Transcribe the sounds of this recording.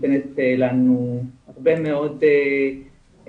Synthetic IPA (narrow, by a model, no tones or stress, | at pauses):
kenet̪elanuaʁbemeo̞d̪e